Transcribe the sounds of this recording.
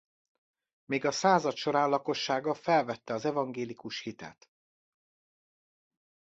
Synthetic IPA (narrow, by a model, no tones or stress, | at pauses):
meːɡɒsaːzɒt̪ʃo̞ɾaːnlɒko̞ʃːaːɡɒfɛlvɛt̪ːɛɒzɛvɒŋɡeːlikuʃhit̪ɛ̰t̪